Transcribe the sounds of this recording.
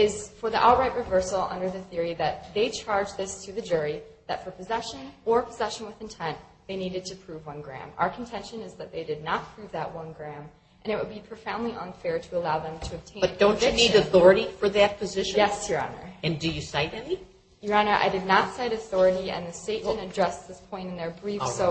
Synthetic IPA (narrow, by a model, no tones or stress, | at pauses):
ɪz̥fə˞ðiʔɔlˠt̚ɹaɪʔ̚ɹɨvɜ˞sl̩ˠʌ̰̃ndə˞ðɨθɪɹiðɨt̪̚ðeɪt͡ʃʰɑɹd͡ʒðɪstʰɨðɨd͡ʒʊɹiðɨtfə˞pʰɨzɛʃɨ̃nə˞pʰəzɛʃɨ̃n̩wəðɨ̃n̩tʰɛ̃nðeɪniɾɨd̚tʰɨpʰɹ̥ʉvwʌ̃nɡɹæ̰̃ma̰ʊə˞kʰn̩tʰɛ̃nʃɨ̃nɨzðɨt̪̚ðeɪdɨdⁿnət̚pʰɹ̥ʉvðəʔ̚wʌ̃nɡɹæ̃m | ʔɨ̃ɾ̃ɨt̚wəd̚bipʰɹ̥oʊfãʊ̃ndliʔə̰̃nfɛɹɾɨəlaʊðə̃mtʰɨɨb̚tʰẽɪ̃ʌ̃d̥õʊ̃nt͡ʃɨniɾɨθɔɹɨɾifə˞ðɨt̚pʰɨzɪʃɨ̃jɛsəɹɑ̰nə̰˞ɨ̃ndɨjɨsaɪɾɨ̃nmi | jə˞ɑnə˞ʔa̰ɪdɨdⁿnətsaɪɾɨθɔɹɨɾiɨ̰̃nðɨsteɪʔmɨ̃ñɨdɹɛsðɪspʰɔ̃ɪ̃ñɨ̃nðə˞bɹifsoʊ